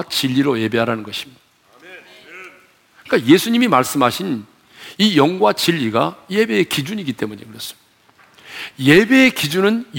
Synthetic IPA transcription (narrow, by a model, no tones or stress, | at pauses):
t͡ɕiʎːiɾoje̞be̞ɦaɾanɯnɡʌɕʰi̥mi̥ | k͈aje̞sʰuɲimimaɭs͈ɯmɦaɕʰin | ijʌŋɡwat͡ɕiʎːiɡaje̞be̞ekid͡ʑuɲiɡit͈e̞muɲekɯɾʌs͈ɯmid | je̞be̞ːkid͡ʑunɯnj